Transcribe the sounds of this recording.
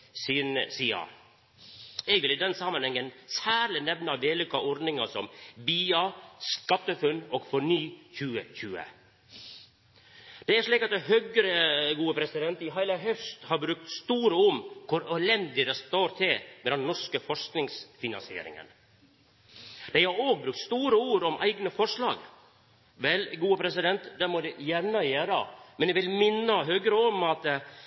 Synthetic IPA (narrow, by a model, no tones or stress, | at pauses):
siːnsiːɑ̰ | ɛɡʋɪliːd̪ɛnsɑmɑnhɛŋːənsæːɾlɪnɛʋnɑʋeːlʏkːɑʔɔɾd̪nɪŋɑsɔmbiːɑskɑt̪ːəfʉnːɔːɡfɔɳyːçʉːəçʉːə̰ | d̪̥ɛæʂɭiːkɑt̪̚d̪ɛɦœɡəɾəɡuːəpʰɾɛsɪd̪ɛnt̪ɪɦæɪlɑɦœst̪hɑɾbɾʉk̚t̪st̪uːɾəʊmkʰʊɾɛlɛnd̪ɪd̪ɛst̪oːɾt̪ʰɪlmɛd̪ɛnːɔʂkəfɔʂknɪŋsfɪnɑ̰nsɪḛːɾɪ̰ŋə̰n | d̪̥æɪhɑɾoːɡ̚bɾʉk̚t̪st̪uːɾəuːɾɔmʔæ̰ɪɡnəfɔʂɭɑ̰ːɡ | ʋɛlɡuːəpʰɾɛsɪd̪ɛnt̪d̪ɛmɔd̪ɛjæɾɳəjeːɾə̰mɛnjɛʋɪlmɪnːəɦœɡɾəɔmɑt̪